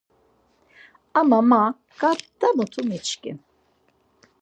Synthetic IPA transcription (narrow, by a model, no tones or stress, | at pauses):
amama | katd̪̥anɔt̪ʰumit͡ʃkʼḭm